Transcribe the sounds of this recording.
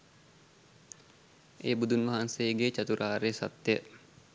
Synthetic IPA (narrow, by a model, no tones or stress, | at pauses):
ʔḛbud̪unmaɦanseɡet͡ʃat̪uɾaːɾesa̰t̪ːeʔ